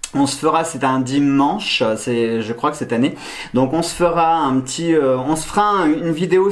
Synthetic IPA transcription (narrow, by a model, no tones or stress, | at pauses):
ɔ̃sə̥fəʁasɛt̪ɛ̃d̪imɑ̃ʃsɛʒəkχwakəsɛt̪ane | d̪ɔ̃kɔ̃sə̥fəʁaɛ̃pət̪ʰiøɔ̃sə̥fəʁãynvid̪eo